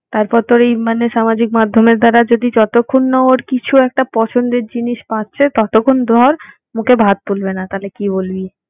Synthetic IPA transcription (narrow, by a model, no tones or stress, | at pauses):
t̪aɾpɔɾt̪ɔɾejmaneʃamad͡ʑik̚mad̪ʱːomeɾd̪aɾad͡ʑod̪id͡ʑɔt̪okʰːunːɔoɾkit͡ɕʰuɛk̚ʈapɔt͡ɕʰond̪eɾd͡ʑiniʃpat̪ːt͡ɕʰet̪ɔt̪okʰːond̪ʱɔɾ | mukʰebʱat̪̚p̪ulbenat̪alekibolbi